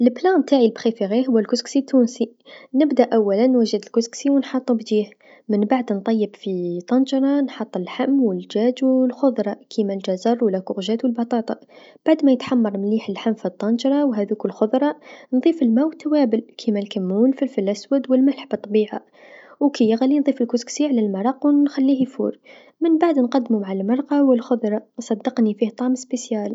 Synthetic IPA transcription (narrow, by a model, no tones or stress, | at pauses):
lblæmt̪aʕilbxifiɣihʊwːəlkʊsksit̪ːunsi | nəbd̪æʔæwːælənːwæʒəd̪əlkʊsksiwənħɑt̪ˤːubd̪iːh | mənbaʕd̪nt̪ˤɑjːəbfit̪ˤːɑnʒɾˤɑnħɑt̪ˤːəlħamːwəlʒæd͡ʒwlxʊðˤɾˤɑkʰimælʒæzɑɾˤwəlːækʊɣʒæt̪wəlbɑt̪ˤɑt̪ˤɑ | b̥aʕd̪mæjət̪ħamːɑɾˤmliːħəlħamːfit̪ˤːɑnʒɾˤɑwɦæðukəlxʊðˤɾˤɑnðˤiːfəlmæwt̪ʰːawæːbəlkʰimælkamːuːlfilfilʔæswæd̪wəlmalħbɨt̪ˤːɑbiːʕa | wkijɣælːinðˤiːfəlkʊsksiʕlælmɑɾˤɑqwnxælːiːhfṵːɾ | mənbaʕd̪nqɑd̪ːmumaʕalmɑɾˤqɑwəlxʊðˤɾˤɑsˤɑd̪ːɑqnifiht̪ˤɑʕmspesjæːl